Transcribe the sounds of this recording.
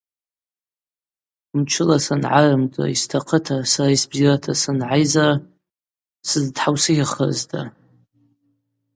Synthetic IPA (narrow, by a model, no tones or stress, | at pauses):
mt͡ʃʰɨlasanʕarɨmtʼa̰istʰaqʰətʰasaɾaisbziratʰasɨnʕajzara | sɨzdħawsɨɡʲaχə̰ztʰa̰